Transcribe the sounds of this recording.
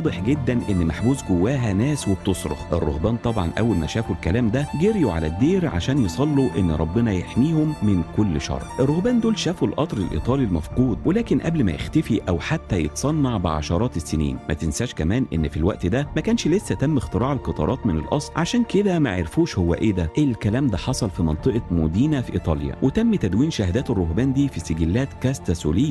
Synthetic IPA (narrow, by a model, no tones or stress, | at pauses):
wɑːd̪ˤeħɡed̪ːænʔenːmaħbuːzɡowːæːɦænæːsweb̚t̪osˤɾo̰xʔerˤːo̰hbæːnt̪ˤɑbʕɑ̰nʔæ̰wːælmæ̰ʃæːfulkælæːmd̪æɡeɾjuʕa̰læ̰d̪ːeːɾʕa̰ʃæːnjesˤɑlːuʔenːɾˤɑbːɪnɑjeħmiːhomːɪnkolːʃɑ̰ɾˤʕʔerˤːohbæːnd̪oːlʃæːfulʔɑt̪ˤɾelʔḭt̪ˤɑːlilmæ̰fquːd̪ˤwelæːkenʔæ̰blmæ̰jḛxt̪æfiʔæwħat̪ːæjet̪sˤɑnːɑʕbeʕa̰ʃɑɾˤɑːt̪esːenḭːnmæ̰t̪ensæʃkæmæːnʔḛnːfilwæ̰ʔt̪d̪æmækæːnʃlesːæt̪æmːext̪eɾˤɑːʕelqɑt̪ˤɑ̰ɾˤɑːt̪menelʔɑsˤlʕaʃæːnked̪æmæʕeɾfuːʃhowːæ̰ʔeːd̪æʔelkælæːmd̪æħɑsˤɑlfimɑnt̪ˤɨʔɑmod̪iːnæfiʔḭːt̪ˤɑːljæ̰wet̪æmːt̪æd̪wiːnʃahæd̪æːt̪erːoɦbæːnd̪iːfiseɡelːæːt̪kæst̪æso̰lejːæ